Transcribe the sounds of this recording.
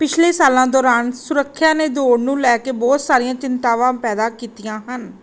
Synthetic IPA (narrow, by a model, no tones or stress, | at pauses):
pɪt͡ʃʰleːsaːlãːd̪ɔːɾaːnsʊɾəkʰːjãːneːd̪oːɽnũːlɛːkeːbɔːt̪saːɾijãːt͡ʃɪnt̪aːʋãːpɛːd̪aːkiːt̪ɪjãːɦən